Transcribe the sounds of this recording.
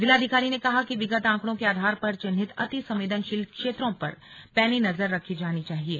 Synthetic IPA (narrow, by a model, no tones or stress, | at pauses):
d̪ɪlaːd̪ʱɪkaːɾinekɐɦakiʋɪɡət̪ãːkɽ̃õkeaːd̪ʱaːɾpɐɾt͡ʃɪnɦɪt̪ɐ̰t̪isɐ̃mʋeːd̪ənʃɪlkʃeːt̪ɾõpɐɾpɛːlinɐzəɾːɐkʰid͡ʒaːnit͡ʃaːɦieː